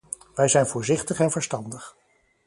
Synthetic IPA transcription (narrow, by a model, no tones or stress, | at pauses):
ʋɛjzɛjnvʊːɹzɪχtəχɛnvəɹstɑndəχ